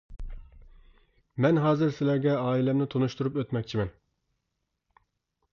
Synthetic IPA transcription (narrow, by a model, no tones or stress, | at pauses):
mɛnɦɑːzɨɾsɪlæɾɡʲɛɑːilɛmnɪt̪ʰonuʃt̪uɾupøt̪mɛkʲt͡ʃʰimɛn